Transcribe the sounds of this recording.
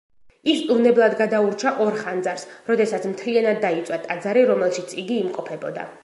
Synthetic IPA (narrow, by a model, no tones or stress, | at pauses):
ist̪ʼunɛblˠad̪ɡad̪auɾt͡ʃʰaʔɔɾχand̪zaɾsɾɔd̪ɛsat̪sʰmt̪ʰlianad̪ːait̪sʼwat̪ʼad̪zaɾiɾɔmɛlˠʃit̪sʰʼiɡiːmqʼɔpʰɛbɔd̪a̰